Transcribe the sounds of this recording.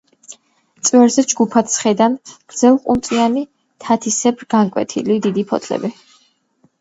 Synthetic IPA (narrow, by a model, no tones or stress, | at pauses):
t̪sʼwɛɾzɛd͡ʒɡupʰat̪sχɛd̪anɡ̥ɾd̪z̥ɛlˠqʼumt̪sʼiani | t̪ʰat̪ʰisɛbɾɡ̥aŋkʼwɛ̰t̪ʰḭlid̪id̪ipʰɔt̪ʰlɛ̰bi